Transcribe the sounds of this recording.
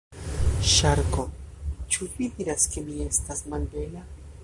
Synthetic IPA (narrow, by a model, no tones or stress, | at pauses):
ʃaɾko̞t͡ʃuvid̪iɾaske̞mie̞stasmalbe̞la